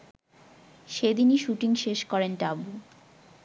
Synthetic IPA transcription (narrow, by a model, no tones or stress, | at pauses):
ʃed̪iniʃuʈiŋʃeʃkɔɾenʈabu